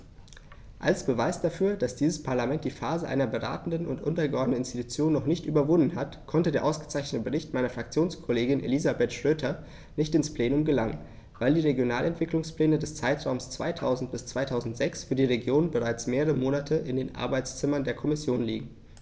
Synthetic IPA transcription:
ʔalsb̥əvaɪsd̥afyːɐd̥asd̥iːzəspʰaɐlamɛnt̚d̥iːfaːzəʔa̰ɪnɐbəʁa̰ːtn̩dənʊntʔʊntɐɡəʔɔɐdnən̩ɪnstitut͡sjoːnːɔχnɪçtʔy̰ːbɐvʊndn̩ɦatkʰɔntədeːɐʔaʊsɡ̥ə̥t͡saɪçnətəbəʁɪçtmaɪnɐfʁ̥ak̚t͡sjoːnskʰɔleːɡɪnʔḛlizabɛtʃʁ̥øːtʰɐ | nɪçtɪnspl̥eːnʊmɡəlaŋən | vaɪldiːʁeɡjonaːlɛntv̥ɪklʊŋspl̥ɛːnədɛst͡saɪtʁ̥aʊmst͡sv̥a̰ɪtʰaʊzn̩t̚b̥ɪst͡sv̥aɪtʰaʊzn̩tz̥ɛksfyːɐdiːʁeɡjoːnbəʁaɪt͡smeːʁəʁəmoːnatʰəɪndeːnʔa̰ɐbaɪt͡st͡sɪmɐndeːɐkʰɔmɪsjoːnlḭːɡŋ̩

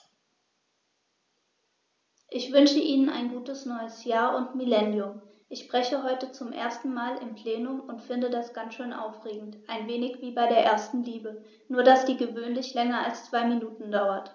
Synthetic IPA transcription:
ʔɪçv̥ʏnʃəʔiːnəna̰ɪnɡuːtəsnɔʏəsjaːɐʔʊntmilɛnjʊm | ʔɪçʃbʁ̥ɛçəɦɔʏtət͡sʊmʔḛːɐstn̩maːlɪmpl̥eːnʊmʊntfɪndədasɡ̥ant͡sʃøːnʔa̰ʊfʁ̥eːɡŋ̩tʔaɪnveːnɪçv̥iːbaɪɾeːɐʔeːɐstn̩liːbə | nuːɐdasd̥iːɡəvøːnlɪçlɛŋɐalst͡sv̥aɪminuːtn̩daʊɐt

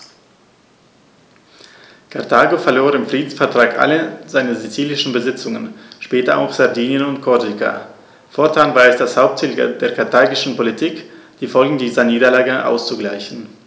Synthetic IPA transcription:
kʰaɐtʰaːɡofɛɐloːʁɪmfʁ̥iːdn̩sfɛɐtʁ̥aːkʔa̰ləzaɪnəzit͡siːlɪʃn̩bəzɪt͡sʊŋənʃpɛːtɐʔa̰ʊxz̥aɐdiːnjənʊntkʰɔɐdika̰ | fɔɐtʰaːnvaːɐɛsd̥ashaʊp̚tʰiːld̥eːɐkʰaɐtʰaːɡɪʃn̩politʰiːkd̥iːfɔlɡŋ̩diːzɐniːdɐlaːɡəʔa̰ʊst͡suɡlaɪçn̩

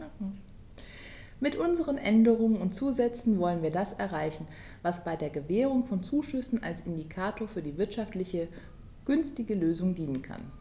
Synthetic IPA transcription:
mɪtʔʊnzəʁənʔɛndəʁʊŋənʊntt͡suːzɛt͡sn̩vɔlənviːɐdasɛɐʁaɪçn̩ | vasb̥aɪdeːɐɡəvɛːʁ̞ʊŋfɔnt͡suːʃʏsn̩a̰lsʔɪndikʰaːtʰoːɐfyːɐdiːvɪɐtʃaftlɪçə | ɡ̥ʏnstɪɡəløːzʊŋdiːnənkʰa̰n

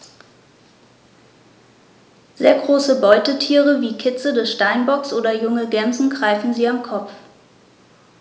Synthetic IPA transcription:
z̥eːɐɡʁoːsəbɔʏtətʰiːʁəviːkʰɪt͡sədɛsʃtaɪnbɔksʔoːdɐjʊŋəɡɛmzn̩ɡʁaɪfn̩ziːamkʰɔp͡f

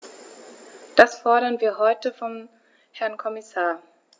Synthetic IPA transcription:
d̥asfɔɐɾɐnviːɐɦɔʏtəfɔm | hɛɐnkʰɔmɪsaːɐ

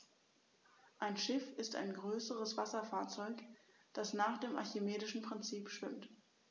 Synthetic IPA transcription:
ʔaɪnʃɪfɪsta̰ɪnɡʁøːsəʁəsv̥asɐfaːɐt͡sɔʏkd̥asnaːχd̥eːmʔa̰ɐçemeːdɪʃn̩pʁ̥ɪnt͡siːpʃv̥ɪmt

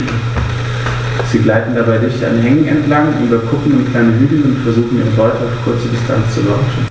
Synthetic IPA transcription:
z̥iːɡlaɪtn̩dabaɪdɪçta̰nɦɛŋŋɛntlaŋʔy̰ːbɐkʰʊkŋ̩ʊnt̚kʰl̥aɪnəɦyːbl̩nʊntfɛɐzuːxn̩ʔiːʁəbɔʏtʰəaʊfkʰʊɐt͡sədɪstʰa̰nt͡st͡sulaʊʃn̩

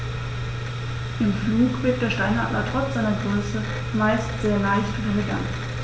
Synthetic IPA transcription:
ʔɪmfluːkv̥ɪɐt̚d̥eːɐʃtaɪnhaʔa̰lɐtʁ̥ɔt͡sz̥aɪnɐɡʁøːsə | maɪstz̥eːɐlaɪçtʁɐləɡa̰nt

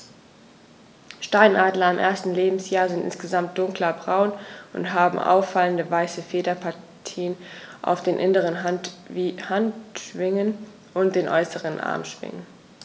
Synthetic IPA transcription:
ʃtaɪnʔaːdlɐɪmʔḛːɐstn̩leːbm̩sjaːɐzɪntʔɪ̰nsɡ̥əzamt̚d̥ʊŋklɐbʁaʊnʔʊ̰ntɦaːbm̩ʔa̰ʊfːaləndəvaɪsəfeːdɐpʰaɐ | tʰiːənʔa̰ʊfd̥eːnʔɪnəʁən | hantʃv̥ɪŋən | ʔʊnt̚d̥eːnʔɔʏsəʁənʔa̰ɐmʃv̥ɪ̰ŋən

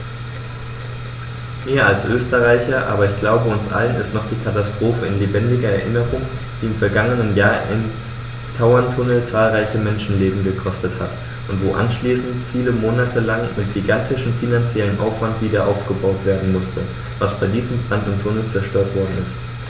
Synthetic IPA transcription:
meːɐalsʔøːstəʁaɪçɐʔa̰ːbɐɪçɡ̥laʊbəʊnsʔa̰lənɛstnaχd̥iːkʰatastʁ̥oːfəɪnleːbɛndɪɡɐɛɐʔɪnəʁʊŋ | d̥iːɪmfɛɐɡaŋənənjaːɐʔɪn | tʰaʊɐntʰʊnl̩t͡saːlʁaɪçəmɛnʃn̩leːbm̩ɡəkʰɔstəthat | ʔʊntv̥oːʔa̰nʃliːsn̩tfiːləmoːnatʰəlaŋmɪt̚ɡ̥iɡantʰɪʃm̩finant͡sjɛlənʔa̰ʊfv̥antv̥iːdɐʔa̰ʊfɡ̥əbaʊtv̥eːɐdn̩mʊstʰə | vasb̥aɪdiːzəm̩bʁandntʰʊnl̩t͡sɛɐʃtøːɐtv̥ɔɐdn̩ɪ̰st

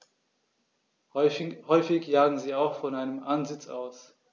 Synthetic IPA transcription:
hɔʏfɪçjaːɡŋ̩ziːaʊxfɔnaɪnəmʔanzɪt͡saʊs

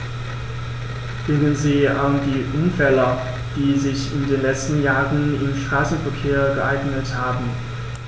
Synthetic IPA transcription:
d̥ɪŋənziːʔandiːʔʊmfɛlə | d̥iːzɪçɪndeːnlɛt͡stn̩jaːʁənɪmʃtʁ̥aːsn̩fɛɐkʰeːɐɡəʔaɪɡnəthaːbm̩

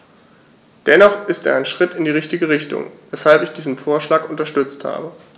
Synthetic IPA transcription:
d̥ɛnɔχɪstḛːɐaɪnʃʁ̥ɪtɪndiːʁɪçtɪɡəʁɪçtʊ̰ŋvɛshalpɪçd̥iːzn̩foːɐʃlaːkʊntɐʃtʏt͡stha̰ːbə

